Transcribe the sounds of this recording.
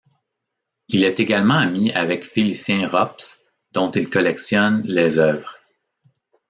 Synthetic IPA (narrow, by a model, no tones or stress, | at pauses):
ilɛt̪eɡalmɑ̃amiavɛkfilisjɛ̃ʁɔps | d̪̥ɔ̃t̪ilkɔlɛksjɔnlezœvʁ